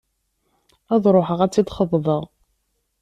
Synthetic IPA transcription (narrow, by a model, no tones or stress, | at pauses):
æðˤɾˤoħəʁæt͡sːid̪χəðˤðˤəʁ